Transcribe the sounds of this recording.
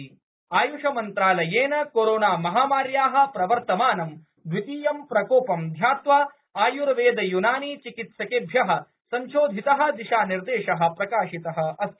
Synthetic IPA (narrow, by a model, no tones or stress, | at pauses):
aːjuʂɐmɐnt̪ɾaːlɐjeːnɐkoːɾoːnaːmɐɦaːmaːɾjaːɦɐ̆pɾɐʋɐɾt̪ɐmaːnɐm | d̪ʋit̪iːjɐmpɾɐkoːpɐmd̪ʱjaːt̪ʋaː | aːjuɾɐʋeːd̪ɐjunaːniːt͡ʃikit̪sɐkeːbʱjɐɦɐ̆ | sɐmʃoːd̪ʱit̪ɐɦɐ̆d̪iʃaːniɾd̪eːʃɐɦɐ̆pɾɐkaːʃit̪ɐɦɐ̆ɐst̪